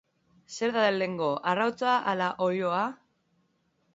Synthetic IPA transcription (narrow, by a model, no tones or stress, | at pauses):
se̞ɾðaðelːe̞ŋɡo̞ʔarawt͡saʔalaʔo̞joa